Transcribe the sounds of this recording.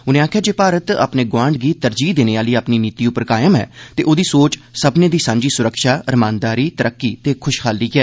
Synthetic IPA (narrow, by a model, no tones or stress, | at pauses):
ʊnẽːaːkʰjaːd͡ʒeːpaːɾət̪a̰ːpneːɡwãːɳɖɡiːt̪əɾd͡ʒiːd̪eːneːaːliːaːpniːniːt̪iːʊpəɾkaːjəmɦɛ̰ːt̪ḛːʔoːd̪iːsoːt͡ʃsəbneːd̪iːsãːɲd͡ʒiːsʊɾəkʃaːɾəmãːnd̪aːɾiːt̪əɾʔəkːiːt̪eːkʰʊʃkʰaːlːiːkɪɛː